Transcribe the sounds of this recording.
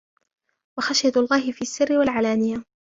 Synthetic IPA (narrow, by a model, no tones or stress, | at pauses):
waxaʃjalˤːɑːhɪfiːʔasːɪrːɪwalʕalaːnɪja